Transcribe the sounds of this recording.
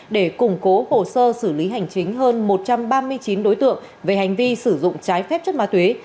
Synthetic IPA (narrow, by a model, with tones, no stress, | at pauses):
ɗe˧˩kʊ˨˩ŋ͡mko˨˦ho˨˩səː˧sɨ˧˩li˨˦ɦa˨˩jŋ̟t͡ɕï˨˦ŋ̟ɦəː˧nmo˨˩t̚t͡ɕa˧mɓaː˧mɨ˧əjt͡ɕi˨˦nɗo˨˦jt̪ɨ̰˧˨əŋ | ve˨˩ha˨˩jŋ̟vi˧sɨ˧˩zʊ̰˧˨ŋ͡mt͡ɕaː˨˦jfɛ˦˥p̚t͡ɕə˦˥t̚maː˧˥t̪we˨˦